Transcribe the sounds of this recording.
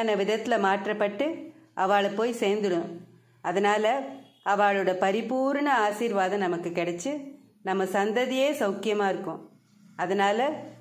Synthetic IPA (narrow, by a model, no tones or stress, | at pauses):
nɐʋɪðɐt̪ːɪlɐmaːʈrɐpːɐʈːɯ | ʔɐʋaːɭɛpːoːjseːɾnd̪ɯɽɯ̃ | ɐðɐnaːlɐ | ɐʋaːɭɯɽɐpɐɾɪpuːɾɳɐaːsiːɾʋaːðɐ̃nɐmɐkːɯkːɪɽɛt͡ʃːɯ | nɐmːɐsɐnd̪ɐðɪjeːsɐʊkɪjɐmaːɪɾɯkːʊ̃ | ɐðɐnaːlɐ